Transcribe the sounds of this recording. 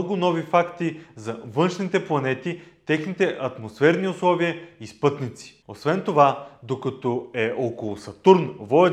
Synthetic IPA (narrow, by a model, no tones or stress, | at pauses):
ɡʊnɔvifakt̪izɐvɤnʃnit̪ɛplˠɐnɛt̪it̪ɛxnit̪ɛʔɐt̪mosfɛɾniʊslˠɔviəispɤt̪nit̪si̥osvɛnt̪ovad̪okɐt̪ɔɛʔɔkolˠʊsɐt̪uɾnvɔɛ